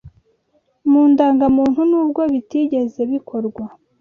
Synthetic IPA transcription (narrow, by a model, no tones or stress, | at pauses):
muːndaːŋɡamuːn̥hunuːb̚ɡo̞βitiːɟe̞ze̞βikʰo̞ɾɡwa